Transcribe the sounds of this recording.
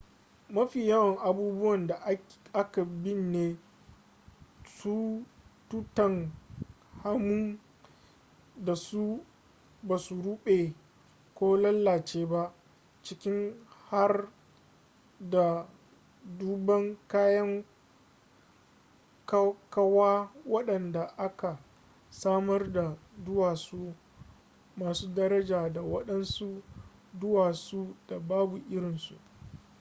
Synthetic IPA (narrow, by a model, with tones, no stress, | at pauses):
mɐ˦ɸiː˨ja˦wɐ˨ŋʔa˨buː˦bʊ˦wɐ˨nda˨ʔa˦ʔa˦ka˨bɪ˦nːeː˦ | su˦tu˦tɐ˨ŋ | ha˦mʊ˦ŋ | da˨su˦ | baː˨su˨ɽu˦ɓe˨ | kʷoː˦lɐ˦lːaː˨t͡ʃeː˦ba˦ʔ | t͡ʃɪ˦kʲɪ˦ŋha˦r | da˨ | duː˦bɐ˦ŋkaː˦jɐ˦ŋ | kkɐ˦waː˦wɐ˦ɗɐ˨nda˨ʔa˦ka˨ | saː˦mɐ˦rda˨zʊ˦waː˨suː˦ | maː˨suː˦dɐ˦ɾɐ˦d͡ʒaː˨da˨wɐ˦ɗɐ˦nsu˦ | dʊ˦waː˨su˦d̥a˨baː˦bu˨ʔɪ˦ɽɪ˨nsṵ˨ʔ